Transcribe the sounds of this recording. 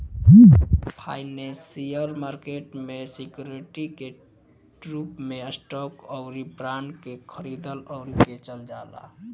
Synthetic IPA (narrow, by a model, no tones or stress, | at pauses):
pʰaɪnẽsijəɾmaɾkeʈmesikjuɾiʈike | ʈɾupmeəsʈɔkəʊɾibɾaɳɖkekʰəɾid̪əlɔʊɾiket͡ʃəld͡ʒa̰la̰